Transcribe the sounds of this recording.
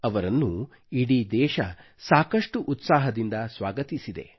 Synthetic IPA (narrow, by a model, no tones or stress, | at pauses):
ɐʋɐɾɐnːu | iɽid̪ɛːʃɐ | saːkɐʂʈuʔːt̪saːɦɐd̪ind̪ɐsʋaːɡɐt̪isid̪e̞̰